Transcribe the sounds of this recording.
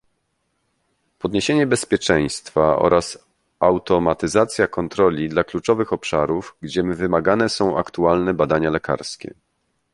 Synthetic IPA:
pɔd̪ɲeɕeɲɛbɛspʲjɛt͡ʂɛj̃st̪faɔ̰ɾʔas | awt̪ɔmat̪ɘzat̪sʲjakɔnt̪ɾɔlʲid̪laklut͡ʂɔvɘxɔpʂa̰ɾuvɡd͡ʑɛmvɘmaɡanɛsɔ̃w̃ʔa̰kt̪ualnɛbad̪aɲalɛka̰ɾskʲɛ̰

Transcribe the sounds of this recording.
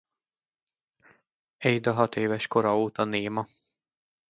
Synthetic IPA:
ɛjd̪ɒɦɒt̪eːvɛʃko̞ɾɒoːt̪ɒneːmɒ

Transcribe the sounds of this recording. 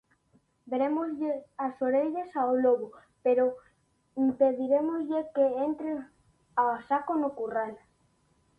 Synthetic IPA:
beɾemozʎeasoɾeʎasaoloβo | peɾo | impeðiɾemozʎekeent̪ɾe | asakonokural

